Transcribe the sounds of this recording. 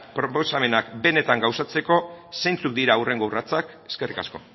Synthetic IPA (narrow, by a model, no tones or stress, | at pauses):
pɾo̞po̞same̞nakbe̞ne̞t̪aŋɡawsat͡se̞ko̞sejnt͡suk̚d̪iɾaure̞ŋɡo̞urat͡sak | e̞ske̞rika̰sko̞